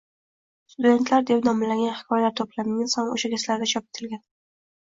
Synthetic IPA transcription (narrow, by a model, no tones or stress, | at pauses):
st̪ud̪e̞nt̪ʰlaɾd̪epnɒmɪlaŋʲɡʲanhɪ̥kʰɒjlaɾt̪ʰoplamʲansɒno̰ʃaɡʲaslaɾd̪at͡ʃʰɒp̚e̥t̪ʰɪlɡʲan